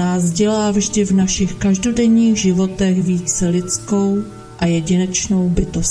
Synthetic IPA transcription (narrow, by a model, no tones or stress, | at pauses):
aːzɟɛlaːvʒdɪvnaʃɪxkaʒdo̞dɛɲiːɣʒɪvo̞t̪ɛɣviːt͡sɛlɪt͡sko̞w | ʔajɛɟɪnɛt͡ʃno̞wbɪt̪o̞s